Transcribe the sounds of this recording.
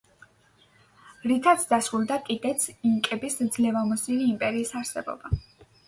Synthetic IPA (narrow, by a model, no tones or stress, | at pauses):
ɾikʰat̪sʰd̪asɾulˠd̪akʼid̪ɛt̪sʰiŋkʼɛbisd̪zlɛvamɔsiniːmpʼɛɾiːsaɾsɛbɔ̰ba